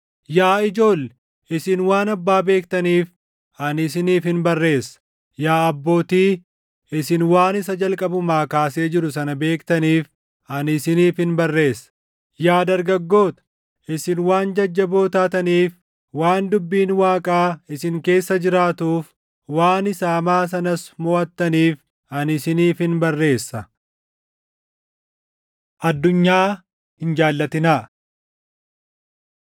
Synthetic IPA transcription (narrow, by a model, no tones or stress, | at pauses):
jaːɪd͡ʒo̞ːl | ɪsɪnwaːnɐbːaːbe̞ːkt̪ɐniːf | ɐnɪsɪniːfhɪnbɐrːe̞ːsːɐ̥ | jaːɐbːo̞ːt̪iː | ɪsɪnwaːnɪs̬ɐd͡ʒɐlkʼɐbʊmaːkaːse̞ːd͡ʒɪɾʊs̬ɐnɐbe̞ːkt̪ɐniːf | ʔɐnɪsɪniːfɪnbɐrːe̞ːsːɐ̥ | jaːd̪ɐɾɡɐɡːo̞ːt̪ɐ̥ | ʔɪsɪnwaːnd͡ʒɐd͡ʒːɐbo̞ːt̪aːt̪ɐniːf | waːnd̪ʊbːiːnwaːkʼaːɪsɪŋke̞ːsːɐd͡ʒɪɾaːt̪uːf | waːnɪsaːmaːs̬ɐnɐsmɔʔɐt̪ːɐniːf | ɐnɪsɪniːfhɪnbɐrːe̞ːsːɐ | ʔɐd̪ːʊɲːaː | hɪnd͡ʒaːlːɐt̪ɪnaː